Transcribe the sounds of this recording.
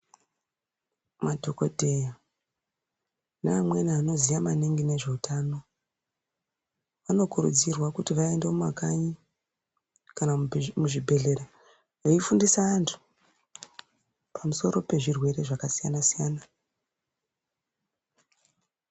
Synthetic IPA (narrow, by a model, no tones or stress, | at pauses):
madʱo̞ko̞dʱe̞ja | naːmweniano̞zijamaniŋɡine̞ʐe̞utaːno̞ | ʋano̞kuɾṵd͡zirwakutiʋae̞ndema̰kaɲi | kanamuʐibʱe̞ɮe̞ɾa | joifundisaːntʰu̥ | pʰamuso̞ɾo̞pe̞ʐirwe̞ɾe̞ʐakasijanasijaːna